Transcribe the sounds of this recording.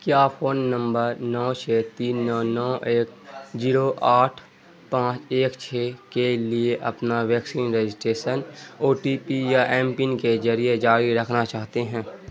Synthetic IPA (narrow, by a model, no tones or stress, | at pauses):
kjaːfʰoːnːə̃mbəɾnɔːt͡ʃʰeːt̪iːnːɔːnɔːʔeːkziːɾoʔaːʈʰ | pãːt͡ʃeːkt͡ʃʰeːkelieʔɐpnaʋɛːksiːnɾed͡ʒɪsʈɾeːʃənoːɾʈiːpijaʔɛːmpĩːnked͡ʒɐɾijed͡ʒaːɾiɾɐkʰnat͡ʃaːɦt̪eɦɛ̃ː